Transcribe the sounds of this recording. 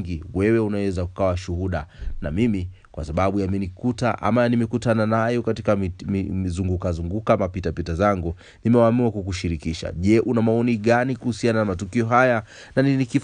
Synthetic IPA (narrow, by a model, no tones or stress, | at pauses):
ɡiwɛwɛunawɛzakukawaʃuɦuɗanamimi | kwa̰saɓaɓujamɛnikutaʔa̰majanimɛkutananajɔkatikamizuŋɡukazuŋɡukamapitapitazaŋɡu | nimɛwaːmiakukuʃiɾikiʃa̰ʄɛʔunamaɔniɠanikuhusiananamatukiɔɦaja | naninikif